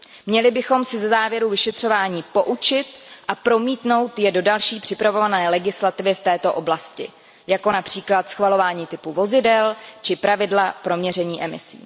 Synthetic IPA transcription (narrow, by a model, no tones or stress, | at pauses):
mɲɛlɪbɪxo̞msɪzɛzaːvjɛɾuvɪʃɛt̪r̝̥o̞vaːɲiːpo̞ʔut͡ʃɪt̪ʔapɾo̞miːt̪no̞wt̪jɛdo̞dalʃiːpr̝̥ɪpɾavo̞vanɛːlɛɡɪslat̪ɪvɪft̪ɛːt̪o̞ʔo̞blascɪ̰ | jako̞napr̝̥iːklat̪sxvalo̞vaːɲiːt̪ɪpuvo̞zɪdɛlt͡ʃɪpɾʔavɪdlapɾo̞mɲɛrɛɲiːʔɛmɪ̰sḭː